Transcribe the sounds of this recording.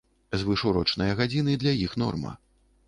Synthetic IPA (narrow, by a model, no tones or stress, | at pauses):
zvɨʂuɾɔt͡ʂnɐjɐɣad͡zʲinɨd̪lʲajixn̪ɔ̰rmɐ̰